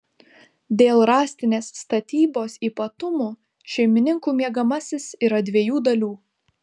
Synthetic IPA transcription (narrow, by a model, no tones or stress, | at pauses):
d̪ʲeːlˠɾɑːsʲt̪ʲɪnʲeːsːt̪ɐt̪ʲiːboːsiːpɐt̪ʊmuː | ʃʲɛɪmʲɪnʲɪŋkuːmʲiɛɡɐmɐsʲɪsiɾɐd̪ʲʋʲeɛjuːd̪ɐlʲuː